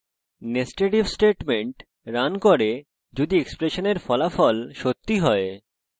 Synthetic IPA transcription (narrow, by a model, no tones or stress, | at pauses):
nesʈeʈibsʈeʈmeɳʈ | ɾankoɾe | d͡ʑod̪iekspɾeʃoneɾfɔlafɔlʃot̪ːiɦɔe